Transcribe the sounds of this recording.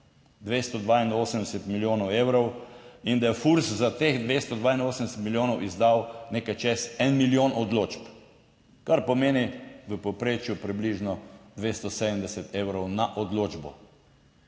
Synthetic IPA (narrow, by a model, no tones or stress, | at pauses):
d̪ʋest̪ɔd̪ʋainoːsəmd̪ɛsɛt̪miljoːnɔwewɾɔwind̪ajɛfuɾszat̪eːxd̪ʋest̪ɔd̪ʋaːinoːsəmd̪ɛsɛt̪miljoːnɔwʔizd̪awnekajt͡ʃesɛnmiljoːnʔɔd̪loːt͡ʃp | kaɾpɔmeːniʋəpɔpɾeːt͡ʃjupɾibliʒnɔd̪ʋest̪ɔsed̪əmd̪ɛsɛt̪ʰeːwɾɔwnaʔɔd̪loːd͡ʒbɔ̰